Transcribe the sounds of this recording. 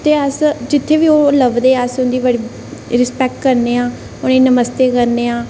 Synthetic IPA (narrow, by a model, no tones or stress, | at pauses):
t̪eːəsd͡ʒɪt̪ʰːeːʋiːoːləbd̪eːəsʊ̃nd̪iːbəɽiː | ɾɪspɛːk̚ʈkəɾneːãː | ʊniːnəməst̪eːkəɾneːãː